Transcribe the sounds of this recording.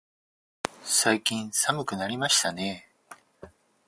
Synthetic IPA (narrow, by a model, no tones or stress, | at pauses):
saikʲĩɰ̃samɯ̟kɯ̟naɾʲimaɕi̥t̪ane̞